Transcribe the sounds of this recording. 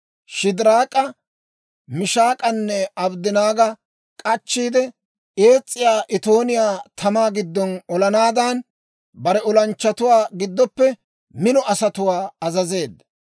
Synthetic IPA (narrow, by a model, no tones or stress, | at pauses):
ʃɪd̪ɪɾaːkʼɐ | mɪʃaːkʼɐnːɛɐbd̪ɪnaːɡɐ | kʼɐt͡ʃːiːd̪ɛ | ʔe̞ːt͡sʼːɪjaːʔɪt̪o̞ːnɪjaːt̪ʰɐmaːɡɪd̪ːɔnɔlɐnaːd̪an | bɐɾɛɔlɐnt͡ʃːɐt̪ʊwaːɡɪd̪ːɔpːɛ | mɪnɔɐsɐt̪ʊwaːɐzɐze̞ːd̪ːɐ